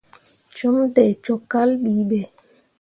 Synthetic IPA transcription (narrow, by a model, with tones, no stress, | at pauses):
t͡ʃɔ˦mtɛ˨t͡ʃɔ˨˦kːa˦lɓi˨˦ɓɛ˨